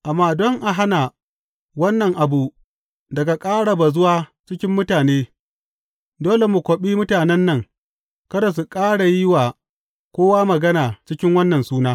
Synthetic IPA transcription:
ʔa˨mːaː˦dɔ˦ŋʔa˨ɦa˦na˨ | wɐ˦nːɐ˨ŋʔa˨bu˨ | dɐ˨ɡa˨kʼaː˦ɽa˨ba˨zʊ˦waː˦t͡ʃɪ˦kʲɪ˦mːʊ˦taː˨neː˦ | doː˦le˨mu˨kʷo˨ɓiː˦mʊ˦taː˨nɛ˦nːɐ˨ŋ | kɐ˦ɾa˨su˨kʼaː˦ɽa˨jɪ˦waː˨ | kʷoː˦waː˦mɐ˨ɡɐ˦naː˨t͡ʃɪ˦kʲɪ˦ŋwɐ˦nːɐ˨nsuː˦naː˦

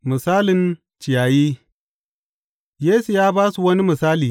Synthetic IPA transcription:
mɨ˨saː˦lɪ˨n | t͡ʃɪ˨jaː˨jiː˦ | jeː˦su˨jaː˦baː˦su˨wɐ˦ni˦mɨ˨saː˦liː˨

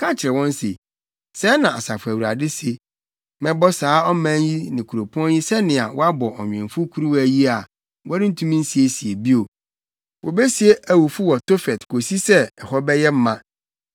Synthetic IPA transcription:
kʰã˦t͡ɕʰɪ˨ɾɛ˨wɔ̃˦n˦sḛ˨ | sɛ˦nã˨a˨sa˨fʊ˨æ˨wu˨ɾa̰˨dɪ˦se˦ | mɛ̃˦bɔ˦saː˨˦ɔ˦mæ̃˦nji˦nɪ̃˨kʰu˨ɾo˨pʰɔ̃˦nji˦sɛ˦nɪ̃˨a̰˨wɔ˦a˦bɔ˨ɔ˨ɲᶣ˨ɛ̃˨ɱfʊ˦kʰu˦ɾu˦wæ˦ji˦a˨ | wʔɔ˦ɾɪ˦n̩˦tʰũ˦mĩ˦n̩˦si˨e˨si˨e˨bi˦o˨ | wʔo̰˨be˦si˨˦e˦ʔæ˨wu˨fu˦wɔ˨to˦fɛ˨tkʰo˨si˦sɛ˦ɛ˨hɔ˦bɛ˦jɛ˦m̩˦mːã˦

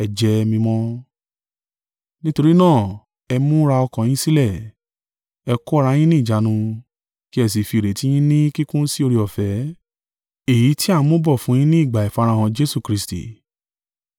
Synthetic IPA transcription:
ɛ˧d͡ʒɛ˧mĩ˧mɔ̃˦ | nĩ˦to˧ɾi˦nãː˦˨ | ɛ˧mũ˦ɾa˧ɔ˧kã˨j̃ĩ˦si˦lɛ˦˨ | ɛ˧ko˦˧ɾa˧˦j̃ĩ˦nĩ˦˨d͡ʒa˨˦nũ˧ | ki˦ɛ˧˨s̬i˨fi˧˨ɾe˨˦tĩ˦ĩ˦nĩ˦ki˦kũ˦n̩˦si˦o˧ɾi˧ɔ˨fɛ˨˦ | e˦˨ji˨˦ti˦a˦˨ũ˨˦mõ˦bɔ˦˨fũ˨˦j̃ĩ˦nĩ˦i˦˨ɡ͡ba˨i˨fa˧ɾa˧hã˧d͡ʒe˦su˦˨kɾi˦˧stḭ˨

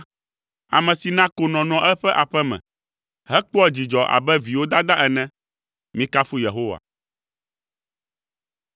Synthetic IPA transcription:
a̰˨mɛ̃˨si˨nã˦ko˨nɔ̃˨nɔ̃˨ʔɛ˦ɸɛ˦ʔa˨ɸɛ˦mɛ̰̃˨ | ɦɛ˦k͡pɔ˦ɛ˦d͡ʑi˨d͡ʒɔ˨ʔa̰˨bɛ˦vi˨wo˦d̪a˦d̪a˦ʔɛ˨nɛ̃˦ | mĩ˦ka˦fu˦je˨ɦo˦wa̰˨

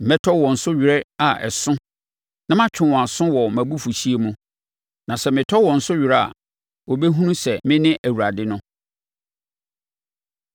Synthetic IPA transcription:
m̩˨mɛ̃˦tʰɔ˦wɔ̃˨n̩˨sʊ˦ɥɪ˨ɾɛ˦a˨ʔɛ̰˨sʊ̃˦ | nã˦mã˦t͡ɕʰᶣɪ̃˨w̃ã˨sʊ̃˦wɔ˨mæ̃˨bu˦fu˨ɕi˦e˦mũ˦ | nã˨sɛ˨mɪ̃˨tʰɔ˦wɔ̃˨n̩˨sʊ˦ɥɾɛ˦a̰˨ | wo˨bɛ˦ɦũ˦nũ˦sɛ˨mɪ̃˦nɪ̃˦ʔæ˨wu˨ɾa˨dɪ˦nʊ̃˦

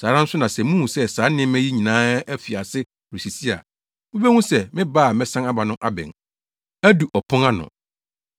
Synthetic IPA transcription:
saː˨˦ɾa˦n̩˦sʊ˦nã˨sɛ˨mũ˦ũ˨sɛ˦saː˨˦nɪ̃˦m˦æ̃˦ji˦ɲĩ˨nãː˦æ˦fi˨a˨sɪ˦ | ɾi˨si˨si˦a̰˨ | mɪ̃˦bɛ˦ŋũ˦sɛ˨mɪ̃˦baː˦˨mɛ̃˦sã˦ŋa˦ba˨nʊ̃˦ʔa˦bɛ̰̃˨n | æ˦du˨ʔɔ˨pʰʊ̃˦ŋa˦nʊ̰̃˨

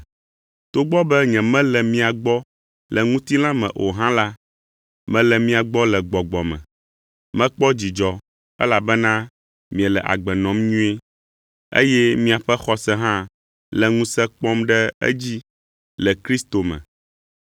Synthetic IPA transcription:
t̪o˦ɡ͡bɔ˦bɛ˦ɲɛ̃˨mɛ̃˦lɛ˨mĩ˦a˨ɡ͡bɔ˦ | lɛ˨ŋũ˦t̪i˦lã˦mɛ̰̃˨ʔo˨ɦã˦la˦ | mɛ̃˦lɛ˨mĩ˦a˨ɡ͡bɔ˦lɛ˨ɡ͡bɔ˨ɡ͡bɔ˨mɛ̰̃˨ | mɛ̃˦k͡pɔ˦d͡ʑi˨d͡ʒɔ˨ | ɛ̰˦la˨bɛ˦nã˦ | mĩ˨ɛ˨lɛ˨ʔa̰˨ɡ͡bɛ˨nɔ̃˨˦mɲũ˦e˦ | ḛ˦jɛ˦mĩ˦a˨ɸɛ˦xɔ˦sɛ˦ɦã˦ | lɛ˨ŋũ˦sɛ˦k͡pɔ˦mɖɛ˦ḛ˦d͡ʑi˦ | lɛ˨kɾi˦st̪o˨mɛ̰̃˨

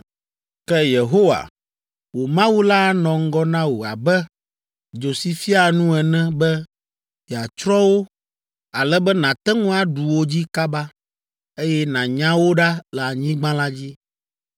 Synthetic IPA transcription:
kɛ˦je˨ɦo˦wa̰˨ | wo˨mã˦wu˦la˦nɔ̃˨ŋ̩˦ɡɔ˦nã˦wo˨a̰˨bɛ˦ | d͡ʒo˨si˨fi˦a˨nũ˦ɛ˨nɛ̃˦bɛ˦ | i˨a˨t͡ʃɾɔ̃˦wo˦ | a˨lɛ˦bɛ˦nã˨t̪ɛ˦ŋũ˦a˨ɖu˨wo˦d͡ʑi˦ka˦ba˦ | e˦jɛ˦nã˨ɲã˦wo˦ɖa˦lɛ˨a˨ɲĩ˦ɡ͡bã˦la˦d͡ʑi˦

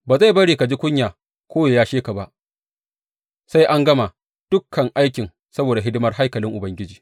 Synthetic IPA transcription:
baː˨za˦˨bɐ˦ɽiː˨ka˨d͡ʒi˦kʷʊ˦ɲjaː˨ | kʰʷoː˦ja˨jaː˦ʃeː˦ka˨ba˦ʔ | sa˦jʔa˦ŋɡɐ˦ma˨ | d̥ʊ˦kʰːɐ˨ŋʔa˦jkʲɪ˨ŋ | sɐ˦boː˨da˨ɦɪ˦dɪ˦mɐ˦rɦa˦jkɐ˨lɪ˦ŋʔʊ˨bɐ˦ŋɡʲɪ˦d͡ʒiː˨

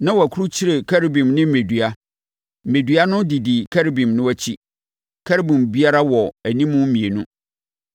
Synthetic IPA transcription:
nã˦wɔ˨æ˨kʰu˦ɾu˦t͡ɕʰi˦ɾe˨kʰæ˦ɾbĩ˨mnɪ̃˦m̩˦me˨dɥa˦˨ | me˨dɥa˦nʊ̃˦di˨di˨kʰæ˦ɾbĩ˨mnʊ̃˦æ˦t͡ɕʰi˦ | kʰæ˦ɾbĩ˨mbi˦a˦ɾa˦wɔ˨æ˨nĩ˦mʊ̃˦mĩ˨e˨nũ˦

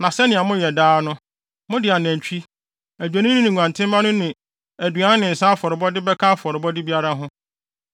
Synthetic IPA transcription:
nã˨sɛ˦nɪ̃˨a˨mʊ̃˦jɛ˨daː˦nʊ̃˦ | mʊ̃˦dɪ˨a˨næ̃˨ɲ˨t͡ɕᶣi˦ | æ˨d͡ʑᶣæ˨nɪ̃˦nʊ̃˦nɪ̃˨ŋʷ˨ã˨ntʰɪ̃˦m˦mã˦nʊ̃˦nɪ̃˨ | æ˨dɥa˨˦ñ˦nɪ̃˨n̩˨sã˦fɔ˨ɾɪ˨bɔ˦dɪ˦bɛ˦kʰã˦fɔ˨ɾɪ˨bɔ˦dɪ˦bi˦a˦ɾa˦ɦʊ̃˦

